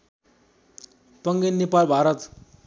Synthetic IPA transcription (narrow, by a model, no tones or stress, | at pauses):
pəŋɡenːepalbʱaɾət̪